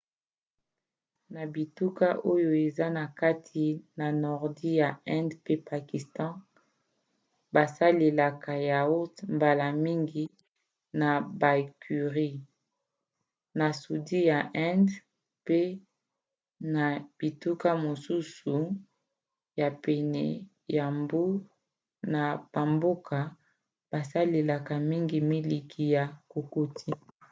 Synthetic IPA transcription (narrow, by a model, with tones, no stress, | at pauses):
na˨bi˨tu˦ka˦ʔo˦jo˨e˨za˦na˨ka˦tʰi˨na˨nɔ˨ʁdi˦ja˨ɛ̃˦ndpe˦pa˨ki˨stɑ̃˦ | ba˨sa˦le˨la˨ka˨ja˨o˦mba˨la˨mi˦ŋɡi˨ | na˨ba˨kʰy˨ʁi˦ | na˨su˨di˦ja˨ʔɛ̃˦nd | pe˦ | na˨b̥i˨tu˦ka˦mo˨su˦su˨ | ja˨pɛ˨nɛ̰˨ | ja˨mbu˦ | na˨b̥a˨mbo˦ka˨ | ba˨sa˦le˨la˨ka˨mi˦ŋɡi˨mi˦li˨kʰi˨ja˨ko˨ko˦tʰi˦